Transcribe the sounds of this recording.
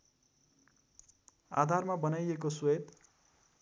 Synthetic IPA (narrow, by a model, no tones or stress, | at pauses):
a̰d̪ʱarmabʌnajekoswet̪